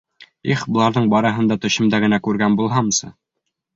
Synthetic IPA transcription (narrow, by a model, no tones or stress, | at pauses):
iχbŏlˠɑɾðɤɴbɑɾɤ̆ɦɤ̆nd̪ɑt̪ɵ̆ɕɘ̆md̪æɡɘ̆nækʉɾɡænbulˠɦɑmsɤ̰